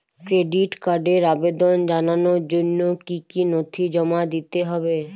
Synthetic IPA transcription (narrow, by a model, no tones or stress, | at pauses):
kɾeɖiʈkaɾɖeɾabed̪ond͡ʑananoɾd͡ʑonːokikinot̪ʰid͡ʑɔmad̪it̪eɦɔbe